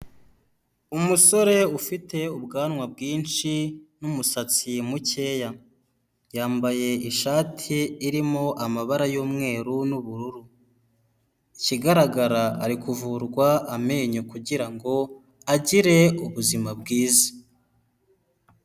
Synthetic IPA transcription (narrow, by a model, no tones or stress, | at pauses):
umuso̞ɾe̞ufite̞ub̚ɡaːnŋwab̚ɡiːnʃinumusat͡simuce̞ːja | jaːmbaje̞iʃaːtʰiːɾimo̞ʔamaβaɾajoːmŋe̞ːɾunuβuɾuɾu | iciɡaɾaɡaɾaa̰ɾikuvuɾɡwaːme̞ːɲukuɟiɾaŋɡo̞ | aɟiɾe̞uβuzimab̚ɡiːzḁ